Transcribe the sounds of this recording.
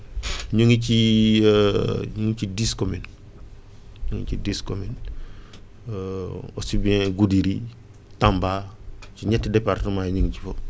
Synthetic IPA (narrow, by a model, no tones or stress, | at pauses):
ɲuŋici | ɲuŋit͡ʃidiskomin | ɲuŋicidiskomin | o̰sibiɛ̃ɡudiɾi | tambat͡ʃiɲɛtːdepaɾtəmajɲəŋci̥fo